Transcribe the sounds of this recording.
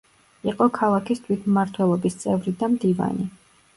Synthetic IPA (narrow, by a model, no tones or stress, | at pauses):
iqʼɔkʰalˠakʰist̪ʰwit̪ʰmmːaɾt̪ʰwɛlˠɔbist̪sʼɛvɾid̪amd̪iva̰ni